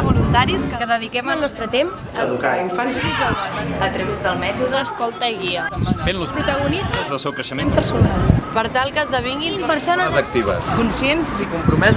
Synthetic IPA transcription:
βulunt̪aɾiskəðəðikɛməlˠnɔst̪ɾət̪emzəðukaiɱfanzizəlaʒət̪ɾəβezðəlˠmɛt̪uðəːskɔlˠt̪əiɣiəfenluspɾut̪əɣunist̪əzðəlˠsɛwkɾəʃəmempəɾsunalˠpəɾt̪alˠkəzðəβiŋɡinpəɾsonəzək̚t̪iβə̰skunsjenzikumpɾumɛz

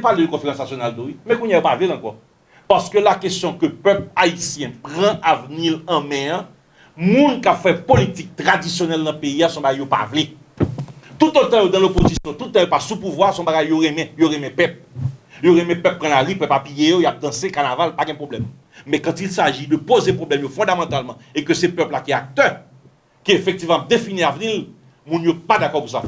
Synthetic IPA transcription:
paled̪økɔ̃feʁãsnasjonald̪oimɛ̃kũɲjajopavlelɐ̃kɔ̰ | paʁskølakestjɔ̃køpœpaisjɛ̃pʁãʔavnilɐ̃mɛ̃ã | mũnkapfɛpolit̪ik̚t̪ʁadisjonɛlnɐ̃peiasɔ̃baɡajjopa̰vle | t̪ut̪ot̪ãjod̪ãlopozisjɔ̃t̪ut̪ːãjopasupuvwasɔ̃baɡajːoʁɛ̃mɛ̃joʁɛ̃mɛ̃pɛp̚joʁɛ̃mɛ̃pɛp̚pʁãlaʁipœpapijejojap̚d̪ɐ̃sekanavalpaɡɛ̃pʁoblɛmː | ɛ̃kãt̪ilsaʒid̪øpozepʁoblɛmjofɔ̃d̪amɑ̃t̪almɑ̃ekøsɛpœplakiak̚t̪œ | kiefɛk̚t̪ivmãap̚d̪efiniavnil | mũnjopad̪akɔkũsa

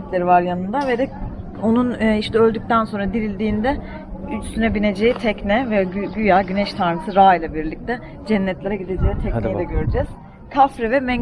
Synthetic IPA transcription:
t̪lʲeɾivaɾjanɯnd̪avɛd̪ɛ | o̞nunːiʃt̪ʰɛølʲd̪yc̚t̪ʰænso̞nɾad̪iɾilʲd̪iːnd̪ɛ | yt͡ʃsynɛbine̞d͡ʒe̞jit̪ʰɛcnɛvɛɟyjaːɟynɛʃt̪ʰaɾmɯsɯɾaːijlʲˠabiɾlʲic̚t̪ʰɛ | d͡ʒɛnːɛt̪lʲeɾɛɟid̪e̞d͡ʒejit̪ʰɛc̪ejid̪ɛɟøɾyd͡ʒɛz̥ | kʰafɾɛvɛmɛɲ

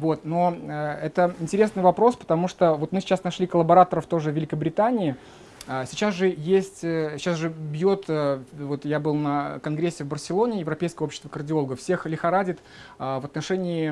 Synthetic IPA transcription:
vo̞t̪no̞əɛt̪əɪnʲtʲɪɾʲe̞snɨjvɐpɾo̞spə̥t̪ɐmuʂt̪ovo̞t̪mɨsʲɪ̥t͡ɕasnɐʂlʲikəlˠəbɐɾat̪əɾəft̪oʐɨvʲɪlʲɪkəbɾʲɪt̪anʲɪɪ | əsʲɪt͡ɕasʐɨjesʲtʲɪ̥t͡ɕasʐɨbjot̪əvo̞t̪jabɨlˠnəkɐnɡɾʲesʲːɪvbərsʲɪlˠo̞nʲɪːjɪvɾɐpʲejskəjopɕɪ̥st̪vəkərdʲɪo̞lˠɡəfsʲe̞xlʲɪxɐɾadʲɪt̪ | əvət̪nɐʂɛnʲɪɪ

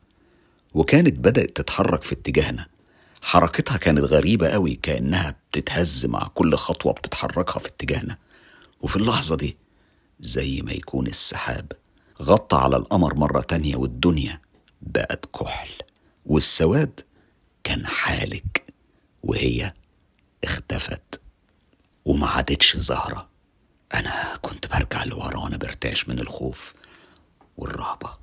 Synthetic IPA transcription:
wekæːnet̪̚bæd̪æʔt̪ːet̪ħɑrˤːɑkfit̪ːɪɡæːhnæ | ħɑɾˤɑːket̪hɑkæːnæt̪ɣæɾiːbæʔæwikæʔḛnːæhæb̚t̪ɪt̪hæzːɪmʔa̰ʕkolːxɑt̪ˤwɑ̰b̥̚t̪e̥t̪ħɑ̰rˤːɑkhɑfi̥t̪ːeɡæhnæ | wefilːɑħzˤɑd̪iː | zæjːmæ̰jæ̰kʰuːnesːaħa̰ːb | ɣɑt̪ˤːɑʕa̰læ̰lʔɑmɾˤmɑrˤːɑ̰t̪ænjæ̰wed̪ːʊnjæ | bæ̰ʔæt̪kʰoħl | wɪsːæwæːd̪ | kæːnħaːlɪk | wɪ̰hɪjːæ | ʔɪxt̪æfæ̰t̪ | wɪmæʕad̪et̪ʃzɑhɾˤɑ | ʔænækʊnt̪bɑɾˤɡaʕlwɑ̰ɾˤɑwʔænæbɪɾt̪a̰ːʕʃmɪnɪlxoːf | wɪ̰rˤːɑːbɑ

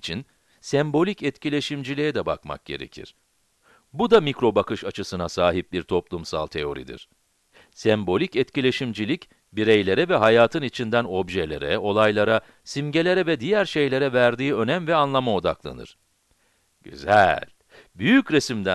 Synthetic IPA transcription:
t͡ʃʰin | sɛmbo̞lʲicɛt̪cʰilʲe̞ʃimd͡ʒilʲijɛd̪ɛba̰kma̰k̚ɟ̥e̞̰ɾḛcʰḭɾ̥ | bud̪amicɾo̞bakʰɯʃat͡ʃʰɯsɯnasaːɦip̚biɾt̪ʰo̞plˠumsa̰lˠt̪ʰe̞o̞ɾḭd̪ḭɾ̥ | sɛmbo̞lʲicɛt̪cilʲe̞ʃimd͡ʒilʲic | biɾejlʲe̞ɾɛvɛɦajaːt̪ʰɯnit͡ʃʰind̪æno̞bʒelʲe̞̰ɾɛ̰o̞lˠajlˠaɾa | simɟe̞lʲe̞ɾɛvɛd̪ijæɾʃe̞jlʲe̞ɾɛvæɾd̪iːø̞næmvɛanlˠamao̞d̪a̰klˠa̰nɯ̰ɾ̥ | ɟ̥y̰zæ̰lʲ | byjycɾesimd̪æ

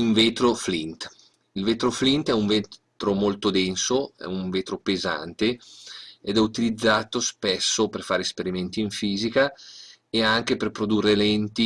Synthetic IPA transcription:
iɱveːt̪ɾoflint̪ | ilveːt̪ɾoflint̪ɛuɱvet̪ɾomolt̪od̪ɛnsoɛ̰uɱveːt̪ɾopeza̰nt̪e | ed̪ɛut̪ilid̪zːaːt̪ospɛsːoperfaːɾespeɾimɛnt̪iːiɱfiːzika | eaŋk̟eperpɾod̪urːelɛnt̪i

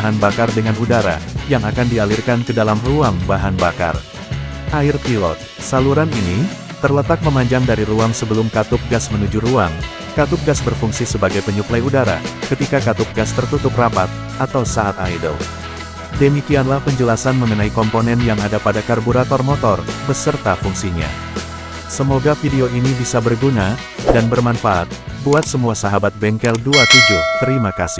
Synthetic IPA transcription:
ɦanbakardəŋanudaɾa̰jaŋakandialirkankədalamruaŋbaɦanbaka̰r | ʔaɪrpilɔ̰t̪̚ | saluɾanini | t̪ərlət̪ak̚məmaɲd͡ʒaŋdaɾiɾuaŋsəbəlʊmkat̪ʊp̚ɡasmənud͡ʒuruaŋ | kat̪ʊp̚ɡasbərfuŋsisəbaɡajpəɲuklajudaɾa̰kət̪ikakat̪ʊp̚ɡast̪ərt̪ut̪ʊp̚rapat̪̚ | at̪awsaːt̪ajdə̰l | dəmikianlahpəɲd͡ʒəlasanməŋənaikɔmponɛnjaŋadapadakarbuɾat̪ɔrmɔt̪ɔrbəsərt̪afuŋsiɲa̰ | səmoɡafideoinibisabərɡuna | danbərmanfaʔat̪̚buat̪̚səmuasaɦabat̪̚bɛŋkɛlduat̪ud͡ʒut̪əɾimakasɪh

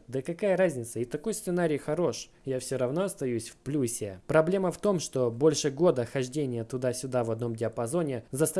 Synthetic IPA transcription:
d̪əkɐkajəɾazʲnʲɪt̪səɪt̪ɐko̞jst̪sɨnaɾʲijxɐɾo̞ʂ | jafsʲoɾɐvno̞ɐst̪ɐjusʲfplʲusʲɪpɾɐblʲe̞məft̪o̞mʂt̪obo̞lʲʂɨɡo̞d̪əxɐʐdʲenʲɪjət̪ʊd̪asʲʊd̪avɐd̪̚no̞mdʲɪɐpɐzo̞nʲɪzɐst̪

